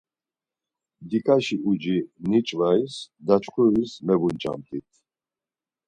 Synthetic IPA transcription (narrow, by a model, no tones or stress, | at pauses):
d̪ikʼaʃiʔud͡ʒinit͡ʃʼvaisd̪at͡ʃʼχʰuɾismɛbunt͡ʃʼa̰nt̪ʼit̪ʰ